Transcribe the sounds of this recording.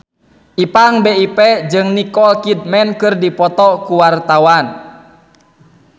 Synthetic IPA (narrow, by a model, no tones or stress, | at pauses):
ʔipaŋbeipɛd͡ʒɨŋnikɔlkid̪̚mɛnkɨrdipɔt̪ɔkuwart̪awan